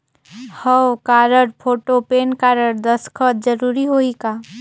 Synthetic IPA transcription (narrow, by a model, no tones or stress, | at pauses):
həwkaːɾəɾpʰoːʈopeːnkaɾəɾd̪əskʰət̪d͡ʒəɾuɾiɦoikaː